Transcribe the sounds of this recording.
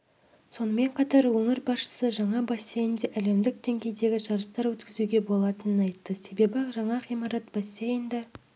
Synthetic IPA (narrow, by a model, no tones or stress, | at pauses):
so̞nəme̞ɴqʰɑt̪ɑɾwɵŋɪɾbɑsʃə̥səʒɑɴɑbɑsʲːejənd̪eʔæle̞md̪ɪk̚d̪̥e̞ŋɡʲe̞jd̪e̞ɡʲɪʒɑɾəst̪ɑɾwɵt̪kʲɪzuɡʲe̞bo̞lˠɑt̪ənənɑjt̪ːəse̞be̞bɪʒɑɴɑqijmɑɾɑt̪b̥ɑsːejənd̪ɪ